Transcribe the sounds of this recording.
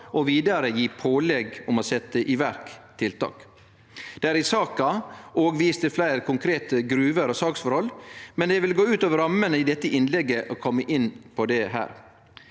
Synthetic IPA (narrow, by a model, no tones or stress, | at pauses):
ʔɔʋiːd̪ɑɾəjiːpʰoːlɛɡʊmɔsɛt̪ːəʔɪʋæɾkt̪ʰɪlt̪ɑ̰ːk | d̪̥ɛæɾɪsɑːkɑʔoːɡʋiːst̪əflæɪɾkʰʊŋkʰɾeːt̪əɡɾʉːʋəɾɔsɑːksfɔɾhɔlːmɛnd̪ɛʋɪlɡoːʉːt̪ɑːʋɾɑmːənəɪd̪ɛt̪ːəʔɪnlɛɡːəʔɔkʰɔmːəʔɪnːpʰɔd̪ɛɦæ̰ːɾ